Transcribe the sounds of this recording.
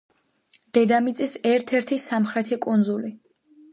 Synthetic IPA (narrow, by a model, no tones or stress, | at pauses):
d̪̥ɛd̪amit̪sʼisɛɾt̪ʰɛɾt̪ʰisamχɾɛt̪ʰikʼund̪zuli